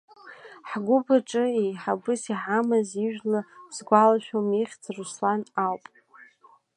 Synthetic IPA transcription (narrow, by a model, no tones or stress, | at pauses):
ħɡʷʊbʰaʈ͡ʂʼɨejħabɨsiħamaziʒᶣlaz̥ɡʷalaʃᶣomiχʲt͡sʰruslanawpʼ